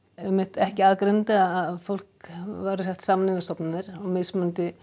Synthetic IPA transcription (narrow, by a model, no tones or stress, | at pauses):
ɛmːɪht̪ɛhcɪaːðkɾœnt̪aaaðfowl̥kvaɾʏsɛht̪saːmanɪnast̪ɔpnanɪɾ̥ɔɣmɪðsmʏnt̪ɪ